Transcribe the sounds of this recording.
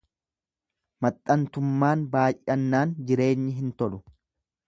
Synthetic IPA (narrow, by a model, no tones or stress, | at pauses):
mɐt̪ʼːɐnt̪ʊmːaːnbaːjʔʔɐnːaːnd͡ʒɪɾe̞ːɲːɪɦɪnt̪ɔlʊ